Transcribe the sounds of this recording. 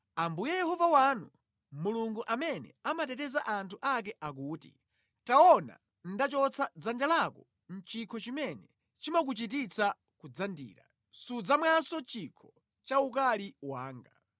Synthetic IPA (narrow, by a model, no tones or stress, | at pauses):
ambujɛjɛhɔvawanu | muluŋɡuʔamɛnɛ̰amatɛtɛzaʔantʰuʔak̬ɛʔak̬uːtḭ | taɔna̰ | n̩dat͡ʃɔt͡sʰad͡zand͡ʒalakɔ | n̩t͡ʃikʰɔt͡ʃimɛnɛ | t͡ʃimak̬ut͡ʃit̬it͡sʰa | kud͡zandḭːɾa̰ | sud͡zamwasɔt͡ʃikʰɔ | t͡ʃauk̬aliwa̰ːŋɡa